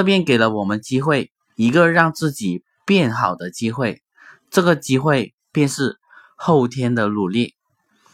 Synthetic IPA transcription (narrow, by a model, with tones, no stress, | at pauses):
ʈ͡ʂɤ˥˧pjɛ˥˧nke˨˩ɪlə˦wɔ˨˩mə˦nt͡ɕi˥xwe˥˩ɪ | i˧˥ɡə˧ɻɑ˥˧ŋt͡sɹ̩˥˩t͡ɕi˨˩ | pjɛ˥˩nxɑ˨˩ʊd̪ə˦t͡ɕi˥xwe˥˩ɪ | ʈ͡ʂɤ˥˩ɡə˩t͡ɕi˥xwe˥˧ɪ | pjɛ˥˧nʂɻ̩˥˧ | xo˥˩ʊt̪ʰjɛ˥nd̪ə˨lu˨˩li˥˩